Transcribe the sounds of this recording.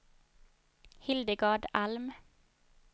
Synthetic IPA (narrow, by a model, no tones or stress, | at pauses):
hɪld̪əɡɑːɖɑlm